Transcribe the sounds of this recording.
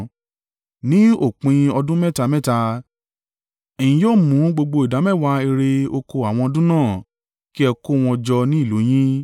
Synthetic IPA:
nĩ˦o˦˨k͡pĩ˧ɔ˧dũ˦mɛ˦˨ta˧mɛ˦˨ta˧ | ɛ˨j̃ĩ˨joː˦˨mũ˨˦ɡ͡bo˧ɡ͡bo˧i˨da˨˦mɛ˦˨wa˧˦e˧ɾe˧o˧ko˧a˨w̃ɔ̃˧ɔ˧dũ˦nãː˦˨ | ki˦ɛ˧ko˦˨w̃ɔ̃˧d͡ʒɔ˧nĩ˦i˦˨lo˨˦j̃ĩ˦

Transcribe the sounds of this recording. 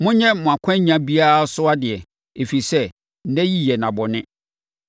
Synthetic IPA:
mʊ̃˦ɲɛ̃˦mmʊ̃˨a˨kʷʰã˦ɲã˦bi˦a˦ɾa˦sʊ˦a˦dɪ˨ɛ˨ | e˨fi˨i˨sɛ˦ | n̩˦dɛ̃˦ji˦jɛ˨nã˨bɔ˨nɪ̃˦

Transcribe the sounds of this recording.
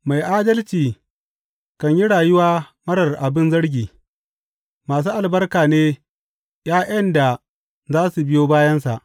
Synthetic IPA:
ma˨jʔaː˦dɐ˦lt͡ʃiː˨ | kɐ˨ɲji˦ɽaː˨jʊ˦waː˦mɐ˦ɽɐ˨rʔa˨bɪ˦nzɐ˦ɽɡʲiː˨ | maː˨s̬uː˦ʔa˨lbɐ˦rkaː˨neː˦ | jaː˦ʔɐ˦nda˨ | zaː˦su˨bɪ˦joː˦baː˦jɐ˦ns̬a˨ʔ

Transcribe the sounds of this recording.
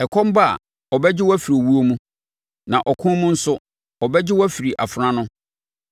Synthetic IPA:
ɛ˨kʰɔ̃˦m˦ba˦a̰˨ | ɔ˨bɛ˦d͡ʑɪ˦wɔ˦æ˦fi˨ɾo˨wu˦o˦mũ˦ | nã˨ʔɔ˨kʰʊ̃˦mũ˦n̩˦sʊ˦ | ɔ˨bɛ˦d͡ʑɪ˦wɔ˦æ˦fi˨ɾi˨ʔa˨fɾã˦nʊ̃˦

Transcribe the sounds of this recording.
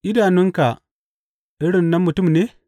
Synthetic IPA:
ʔɪ˦daː˨nʊ˦ŋka˨ | ʔɪ˦ɽɪ˨nːɐ˦mːʊ˨tʊ˦˨mneː˦

